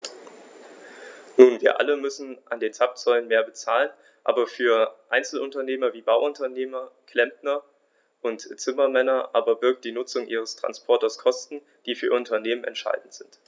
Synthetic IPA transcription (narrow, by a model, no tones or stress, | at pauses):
nuːnviːɐʔa̰ləmʏsn̩ʔandeːnt͡sap̚t͡sɔʏlənmeːɐbət͡saːlən | ʔa̰ːbɐfyːɐʔaɪnt͡sl̩ʔʊntɐneːmɐviːbaʊʔʊntɐneːmɐkʰl̥ɛm̚nɐ | ʔʊntt͡sɪmɐmɛnɐʔaːbɐbɪɐk̚t̚d̥iːnʊt͡sʊŋʔiːʁ̞əstʁ̥a̰nspʰɔɐtɐskʰɔstn̩ | d̥iːfyːɐʊntʰɐneːmənɛ̰ntʃa̰ɪdn̩tz̥ɪnt